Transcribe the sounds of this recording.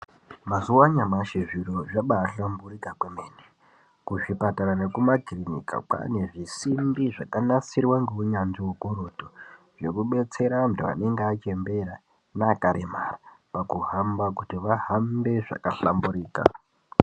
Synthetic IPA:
mazuwaɲamaʃeʐiɾoʐaɓaːɬamburikakwemeːne | kuʐipataɾane̞kumakrinḭka̰k͡pa̰ne̞ʐisimbiʐakanasirwaŋɡeuɲanʐiukoɾoto | ʐe̞kuɓe̞t͡se̞ɾamutiʋa̰ne̞ŋɡeat͡ʃe̞mbe̞ɾa | naːkaɾemara | pakuɦambakutiʋaɦambe̞ʐa̰kaɬambuɾiːka̰

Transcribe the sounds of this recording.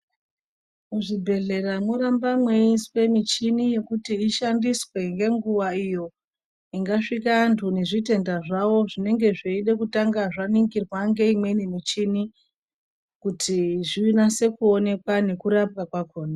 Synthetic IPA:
muʐibʱe̞ɮe̞ramwuɾambamweiswe̞mit͡ʃinije̞kutiːʃandiswe̞ŋɡe̞ŋɡuʋaijo̞ | iŋɡaʂikantʰune̞ʐite̞ndaʐawo̞ʐine̞ŋɡe̞ʐeiɗekutaŋɡaʐaniŋɡirwaŋɡe̞imwe̞ne̞mit͡ʃini | kutʰiʐinase̞kuo̞ne̞kwane̞kuɾapkakwakoːna

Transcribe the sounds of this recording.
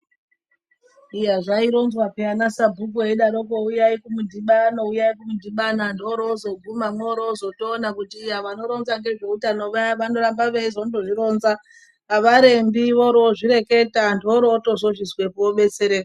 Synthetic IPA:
ijaʐaiɾo̞nzwapianasabʱuk̬oeɗaɾokoujaikumudʱiɓano̞ujaikumudʱiɓanandoɾoːzo̞ɡʱumamweoɾozo̞toːnakutiːjaʋano̞ɾonzaŋɡe̞ʐeutano̞ʋaʋano̞ɾambaʋeizondoʐiɾo̞ːnza | aʋaɾe̞mbiʋoɾoːʐiɾe̞ke̞tandoɾoto̞ʐo̞ʃiswe̞puoɓe̞t͡seɾe

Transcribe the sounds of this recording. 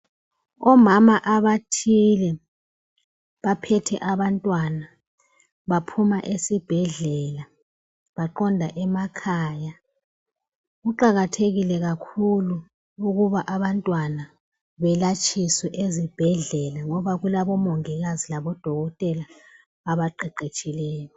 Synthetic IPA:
ɔmamaʔaβatʰilɛ | βapʰɛtʰɛ̰ʔaβantʼwana | βapʰumaʔesib̥ʱɛɮɛla | βaǃɔndʱaʔɛmakʰaːja | ɣuǃaɣatʰeɣilɛɣakʰulu | uɣuβaʔaβantʼwana | βɛlat͡ʃʰʼiswɛʔezib̥ʱɛɮɛlaŋɔβaɣulaβɔmɔŋɛɣazilaβɔd̥ʱɔɣɔtʼɛlaː | βaǃɛǃet͡ʃʼilɛːjɔ

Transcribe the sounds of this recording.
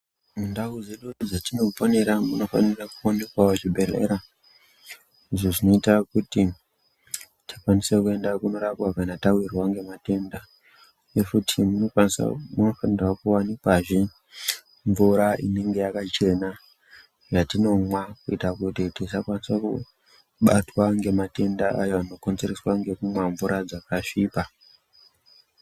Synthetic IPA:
mundawud͡ze̞ɗud͡zatino̞fo̞ne̞ɾamuno̞fa̰nirakuonekwaot͡ʃibʱe̞ɮḛɾa | iʐoʐino̞itakuti | tʰḁkwanisekue̞ndakuno̞ɾapwakanatawirwaŋɡe̞mate̞nda | jefutʰimunosmuno̞fanirwakuwanikwaʐi | ɱvuɾaine̞ŋɡe̞jakat͡ʃe̞na | ʐatino̞mwakuitakutitisakwanisakṵ | ɓatwaŋɡe̞mate̞ndaʔajoano̞ko̞nzereswaŋɡe̞kumwaɱvuɾad͡zakaʂiːpa

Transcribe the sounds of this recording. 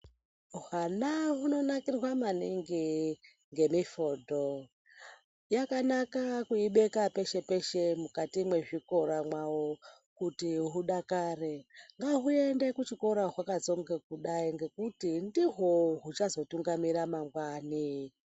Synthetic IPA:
ɦanaɦuno̞nakirwamaniŋɡi | ŋɡe̞mifodʱo | jakanakakuiɓe̞kape̞ʃe̞pe̞ʃe̞mukatimwe̞ʐiko̞ɾamwawo | kutiɦuɗakaːre̞ŋɡaɦue̞ndekut͡ʃiko̞ɾaɦwakat͡so̞ŋɡekuɗaiŋɡe̞kutindiɦoɦut͡ʃazo̞tuŋɡamiɾamaŋɡwani

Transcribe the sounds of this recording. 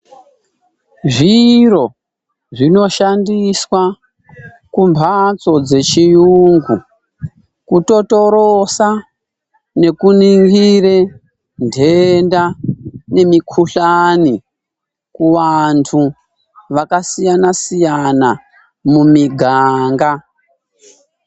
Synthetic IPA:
ʐiro̞ | ʐino̞ʃandiswa | kumbʱat͡so̞d͡ze̞t͡ʃijuːŋɡu | kuto̞to̞ɾosa | ne̞kuniŋɡire | ndʱe̞ndane̞mikʰuɬani | kuʋantʰu | ʋakasijanasijana | mumiɡʱaːŋɡa

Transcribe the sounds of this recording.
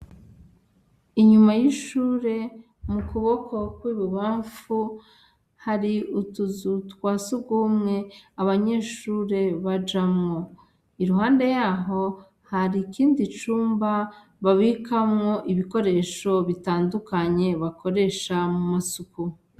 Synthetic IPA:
iɲumajiʃuːɾe̞ | mukuβo̞kʰo̞kwiːβuβaːɱfu | haɾiutuzutkwaːsuɡumŋe̞aβaɲe̞ːʃuːɾe̞βad͡ʒamŋo̞ | iɾuɦaːnde̞jaːɦo̞ | haɾikiːndit͡ʃuːmba | βaβikamŋo̞ʔiβiko̞ɾe̞ːʃo̞βitaːndukaɲe̞βakʰo̞ɾe̞ʃamumasuku

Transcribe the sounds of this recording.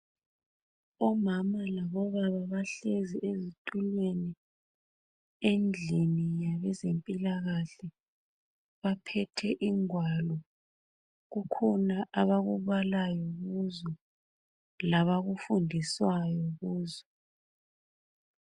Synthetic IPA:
ɔmamalaβɔβaβaβaɬeziʔezitʼulweni | end͡ɮʱinijaβɛzempʼilaɣaɬɛ | βapʰɛtʰɛʔiŋwalɔ | ɣukʰɔnaʔaβaɣuβalajɔɣuzɔ | laβaɣufundʱiswajɔɣuːzɔ

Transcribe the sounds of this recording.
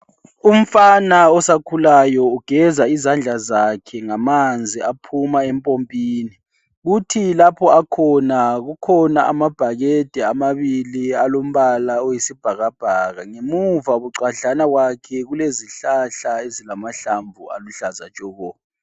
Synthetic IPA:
um̩fanaɔsakʰulajɔuɡ̥ʱɛzaizand͡ɮʱazakʰɛŋamand͡zʱiapʰumaɛmpʼompʼiːni | ɣutʰilapʰɔakʰɔnaɣukʰɔnaʔamab̥ʱaɣɛd̥ʱɛamaβilialom̩βalaojisib̥ʱaɣab̥ʱaɣaŋemuvaβuǀaɬanaɣwakʰɛɣuleziɬaɬaezilamaɬaɱvʱua̰luɬaza̰t͡ʃʼɔɣɔː

